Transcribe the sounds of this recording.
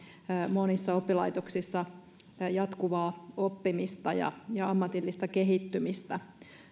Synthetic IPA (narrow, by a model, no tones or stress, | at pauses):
monisːɑopːilɑit̪oksisːɑ | jɑt̪kuʋɑːopːimist̪ɑjɑ̰jɑɑmːɑt̪ilːist̪ɑkeɦit̪ːymist̪æ